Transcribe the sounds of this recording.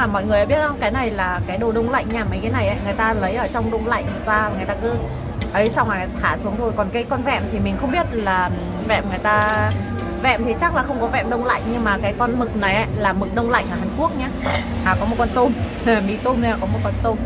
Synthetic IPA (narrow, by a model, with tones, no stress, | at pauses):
maː˨˩mɔ̰˧˨jŋɨ˨˩əjʔaː˨˧ɓi˦˥ət̚hə˧ŋ͡mkaː˨˦jna˨˩jlaː˨˩kaː˨˦jɗo˨˩ɗə˧wŋ͡mla̰˧˨jŋɲaː˧˩mə˨˦jkaː˨˦jna˨˩jʔa̰˧˨˦jŋɨ˨˩əjt̪aː˧lə˨˦jʔəː˧˩t͡ɕɔ˧wŋ͡mɗə˧wŋ͡mla̰˧˨jŋ̟˨˩zaː˧vaː˨˩ŋɨ˨˩ət̪aː˧kɨ˨˦ | ʔə˨˦jsa˧wŋ͡mʔaː˨˩t̪ʰaː˧˩su˨˦ŋt̪ʰo˧˩jkɔ˨˩nkaː˨˦jkɔ˧nvɛ̰˧˨mt̪ʰi˨˩mï˨˩ŋ̟xə˧wŋ͡mɓi˦˥ət̚laː˨˩ | vɛ̰˧˨mŋɨ˨˩əjt̪aː˧ | vɛ̰˧˨mt̪ʰi˨˩t͡ɕa˦˥k̚laː˨˩xə˧wŋ͡mkɔ˨˦vɛ̰˧˨mɗə˧wŋ͡mla̰˧˨jŋ̟ɲɨ˧ŋmaː˨˩kaː˨˦jkɔ˧nmɨ˨˩k̚na˨˩jʔa˨˦jlaː˨˩mɨ˨˩k̚ɗə˧wŋ͡mla̰˧˨ŋ̟ʔəː˧˩aː˨˩ŋku˦˥ək̚ɲaː˧˦ | ʔaː˨˩kɔ˨˦m˨˩t̚kɔ˧nt̪o˧m | a˨˩mḭ˧˥t̪o˧m˧aː˨˩kɔ˨˦mo˨˩t̚kɔ˧nt̪o˧m